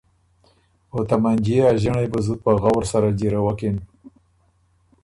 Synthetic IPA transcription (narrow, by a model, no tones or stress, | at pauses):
ot̪amand͡ʒiaʒəɳajbəzupaɣawɾsaɾad͡ʒiɾawaken